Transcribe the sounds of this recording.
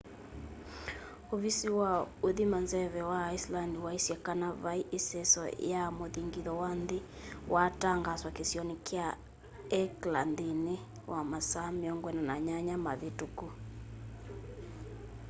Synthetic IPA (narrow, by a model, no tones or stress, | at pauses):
oβisiwaoðimanzɛβɛwaːislandiwaisjɛkanaβaiʔesɛsɔ̰jamoðiŋɡiðɔwanðe | wʔataŋɡaswakesjɔnikea | ɛklandine | wʔamasameɔŋɡwɛnanaɲaɲamaðetuku